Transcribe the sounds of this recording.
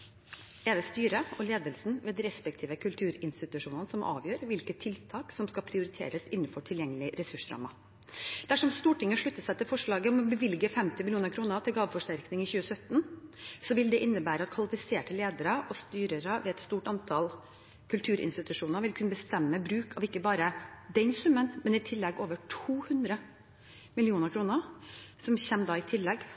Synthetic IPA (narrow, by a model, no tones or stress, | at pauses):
ɛːd̪ɛst̪yːɾəɔleːd̪əlsn̩ʋeːd̪ɾɛspɛk̚t̪ʰiːʋəkʰʉlt̪ʰʉːɾɪnst̪ɪt̪ʉʂuːnənəsɔmʔɑ̰ːʋjøːɾʋɪlkət̪ʰːɪlt̪ʰɑːksɔmskɑpʰɾɪʊɾɪt̪ʰḛːɾəsɪnːnfɔʈʰɪljɛŋːəlɪɾɛsʉʂɾɑ̰ːmɑ | d̪̥æʂɔmst̪uːʈʰɪŋːəʂɭʉt̪ːəsɛɪt̪ɪfɔʂɭɑːɡəɔmɔbəʋɪlɡəfɛmt̪ɪmɪljuːnəɾkʰɾuːnət̪ʰɪlɡɑːʋfɔʂʈæɾknɪŋɪçʉːəsœt̪ːnsɔʋɪld̪ɛʔɪnːəbæːɾəɑt̪kʰʋɑlɪfɪseːʈəleːd̪əɾəʔɔst̪yːɾəɾəʋɛɛt̪st̪uːʈɑnt̪ʰɑl | kʰʉlt̪ʰʉːɾʔɪ̰nst̪ɪt̪ʉʂuːnəɾʋɪlkʰʉnəbəst̪ɛmːəbɾʉːkʰɑʋɪkːəbɑːɾəd̪ɛnsʉmːənmɛnɪt̪ʰɪlːɛɡoːʋəʈʰuːhʉnd̪ɾə | mɪlɪuːnəɾkʰɾuːnəɾsɔmçɛmd̪ɑːɪt̪ʰɪlːɛɡ